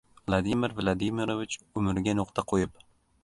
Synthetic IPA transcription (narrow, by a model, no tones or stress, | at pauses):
vlˠad̪imɪɾvlˠad̪ɪmiɾovɪt͡ʃʊmɪɾɪɡʲanʊqt̪ʰaqʰojɪp